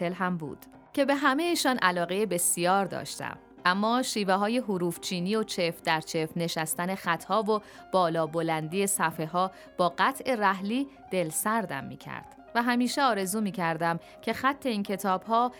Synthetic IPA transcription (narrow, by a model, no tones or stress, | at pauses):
elɦæmbṵːd̪̥ | cʰe̞be̞ɦæme̞jeʃɒːnʔælɒːɣejebe̞sijɒːɾd̪ɒ̰ːʃt̪æ̰m | ʔæmːɒːʃiːveɦɒːje̞ɦuɾuːft͡ʃʰiːniːo̞t͡ʃʰe̞fd̪æɾt͡ʃʰe̞fne̞ʃæst̪æne̞xæt̪ʰhɒːvo | b̥ɒːlɒːbolænd̪iːje̞sæfe̞ɦɒː | b̥ɒːɢæt̪ʰʔe̞ræhliː | d̪̥e̞lsæɾd̪æ̰mːḭːcʰæ̰ɾd̪̥ | væɦæmiːʃeɒːɾe̞zuːmiːcʰæɾd̪æm | cʰe̞xæt̪ʰːe̞iːncʰe̞t̪ʰɒːb̥ɦɒː